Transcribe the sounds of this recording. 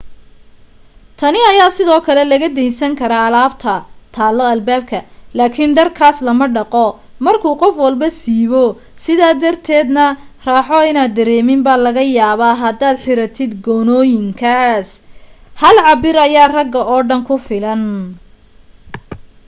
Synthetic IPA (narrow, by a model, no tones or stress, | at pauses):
t̪ʰɐnɪɐjaːsɪðɔːkʰɐlɛlɐɣɐd̪ɛjnsɐŋkʰɐɾaːlaːbt̪ʰɐt̪ʰaːlːɔɐlbaːb̚kʰɐlaːkʰɪnɖɐrkʰaːslɐmɐɖɑqɔ | mɐrkʰuːqɔfwɐlbɐsiːβɔ | sɪðaːd̪ɐrt̪ʰɛːd̪nɐraːħɔɪnaːd̪ːɐɾɛːmɪmbaːlɐɣɐjaːβaːɦɐd̪aːd̪ħɪɾɐt̪ʰɪd̪ɡɔːnɔːjɪŋkʰɐshɐlʕɑbɪɾɐjaːrɐɡːɐɔːɖɐŋkʰʊfɪlɐn